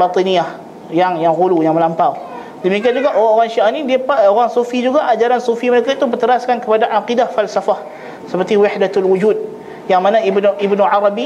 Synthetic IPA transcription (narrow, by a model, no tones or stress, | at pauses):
bat̪ˤiniah | jaŋjaŋɣulujaŋməlampaw | dəmikiand͡ʒuɡaʔoɣaŋoɣaŋʃiʔanidiəpaoɣaŋsufid͡ʒuɡaʔad͡ʒaɾansufiməɾekait̪ubərt̪əɾaskankəpadaʔaqidahfalsafah | səpərt̪iwɪħdat̪alwud͡ʒud̪̚ | jaŋmanaibnuibnuʕaɾabi